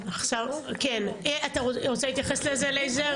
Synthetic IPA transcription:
aχʃavkeneʔat̪aʁoʁot͡sehit̪jaχeslezeleze

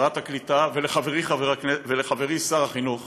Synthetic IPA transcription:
ʁat̪haklit̪aveleχaveʁiχaveʁakneveleχave̞ʁisaʁaχinuχ

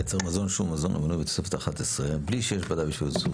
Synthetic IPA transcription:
et͡seʁmazonʃumːazonʔo̰manubet̪o̥sefet̪aχat̪esʁebliʃejeʃbad̪ajbiʃvilsu

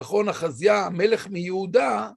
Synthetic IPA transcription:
χo̞naχazjame̞le̞χmijeud̪a

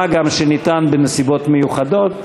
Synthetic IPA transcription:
aɡamʃenitanbenesibo̞t̪mejuχado̞t̪

